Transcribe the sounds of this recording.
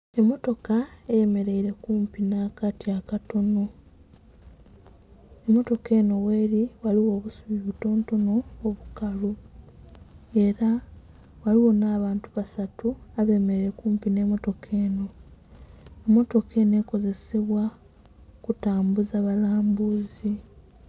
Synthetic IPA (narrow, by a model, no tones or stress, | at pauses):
e̞mːo̞to̞kaeje̞me̞ɾe̞iɾe̞kuːmpinaːkatiakato̞no | emːo̞to̞ke̞ːno̞we̞ːɾiwaliwo̞ːβusuβiβuto̞ːnto̞noːβukalu | e̞ɾa | waliwo̞naːβaːntuβasatuaβe̞ːmeɾeɾekuːmpine̞ːmo̞to̞kʰe̞ːno̞ | emːo̞to̞kʰe̞ne̞ːko̞ze̞seβwa | kutaːmbuzaβalaːmbuzi